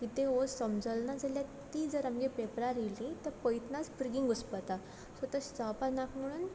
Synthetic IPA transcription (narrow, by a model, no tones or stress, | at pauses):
kit̪eosəmd͡zəlnad͡zaljat̪iːd͡zəɾamɡepepɾaɾelit̪əɾpəjt̪nat͡sbɾiɡiŋɡəspət̪a | sət̪əst͡sapanakməɽ̃un